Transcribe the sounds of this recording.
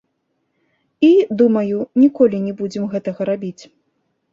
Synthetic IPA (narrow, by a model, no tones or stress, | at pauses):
id̪umɐjunʲikɔlʲinʲɛbud͡zʲɛmɣɛt̪ɐɣɐɾabʲit͡sʲ